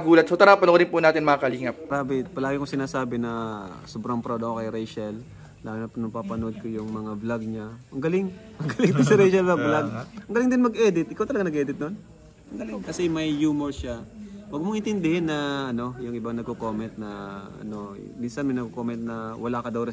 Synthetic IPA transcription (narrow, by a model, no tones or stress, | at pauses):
ɡuːlɐt̪̚sot̪ɐɾaːpɐnoɾɪnpʊnaːt̪ɪnmɐakɐliːŋɐp̚ɾaːbɪpɐlaːɡɪŋkosɪnaːsaːbɪnɐsobɾaŋpɾod̪okokɐjɾɛjʃɐl | laːɡɪnɐpnɐpapɐnod̪̚kojʊŋmɐŋablaɡ̚ɲaʔɐŋɡɐlɪŋ | ɐŋɡɐlɪŋt̪ʊsɐɾɛjʃɐlɐɡblaɡ̚ɐŋɡɐlɪŋd̪ɪnmɐɡʔɛd̪ɪt̪̚ʔɪkawt̪ɐlɐɡanɐɡ̚ʔɛːd̪ɪt̪̚non | ɐŋɡɐlɪŋkɐsɛmɐjːuːmɛɹʃawɐɡ̚mʊŋʔɪnt̪ɪnd̪ɪhɪnːɐɐno̞jʊŋʔɪbaŋnɐɡkokoːmɛnt̪̚nɐɐ̰no̞ | minsɐnmɐjnɐɡkokomɛnt̪̚nɐwɐlaːkɐd̪ɐwɾɛ